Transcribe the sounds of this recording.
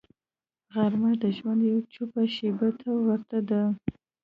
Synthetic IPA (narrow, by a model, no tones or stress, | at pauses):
ɣaɾmad̪əʒwand̪jawt͡ʃupaʃebat̪ʰawaɾt̪ad̪a